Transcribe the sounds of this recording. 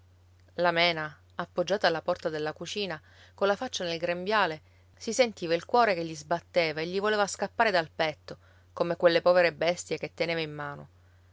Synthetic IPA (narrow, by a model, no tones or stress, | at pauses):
lamɛːna | apːod͡ʒːaːt̪aːlːapɔrt̪ad̪elːakut͡ʃiːna | kolːafat͡ʃːanelɡɾembjaːle | sisent̪iːvailkwɔːɾekeʎːizbat̪ːeːvaeʎːivoleːvaskapːaːɾed̪alpɛt̪ːo | komekwelːepɔːveɾebɛst̪jeket̪ːeneːvaimːaːno